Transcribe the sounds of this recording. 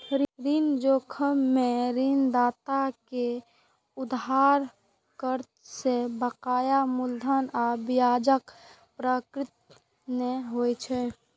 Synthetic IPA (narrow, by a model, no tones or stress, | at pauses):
ɾɾind͡ʒokʰəmːeɾind̪aːt̪ake | ʊd̪ɦaːɾ | kəɾ | sebəqaːjamʊld̪ʱənaːbɪjaːd͡ʒək | pɾaːkɾɪt̪̚ | meɦojt͡ʃʰɛ